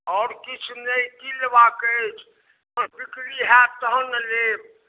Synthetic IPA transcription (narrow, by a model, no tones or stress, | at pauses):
ɔːɾkit͡ʃʰnəikilebakət͡ʃʰ | pəɾbikɾiɦɛt̪əɦənəleb